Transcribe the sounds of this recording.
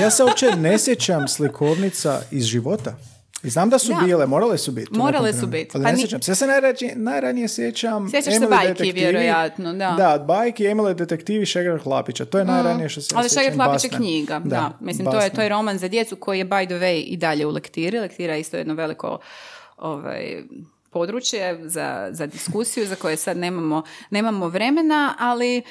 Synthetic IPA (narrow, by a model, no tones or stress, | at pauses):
jaːseopt͡ʃenesjet͡ɕamslikʰoʋnit̪sa̰izʒiʋo̞t̪a | iznaːmd̪asubiːlemo̞ːɾalesubit̪moɾalessubit̪alinaesjet͡ʃamsjasenajɾaienajɾanijesjet͡ɕamsjet͡ʃːaemilajetk̪iʋjeɾojat̪nod̪aaod̪̚bajkiemiled̪et̪ekt̪iːʋiʃeɡeɾaxlˠapit͡ɕat̪ojenajɾanijeʃt̪osaliʃeɡeɾklˠait͡ʃakɲiːɡad̪aamislimt̪ojet̪ojeɾo̞manzad̪je̞t̪suko̞jijebajd̪oʋejʔḭd̪aʎe̞ulekt̪iːɾilekt̪iːɾajeist̪ojd̪noʋe̞liko̞̰ | o̰ʋa̰j | po̞d̪ɾut͡ɕjeza̰zad̪iskusijuzako̞jesad̪ne̞ːmamo̞ne̞ːmamoʋɾe̞me̞naali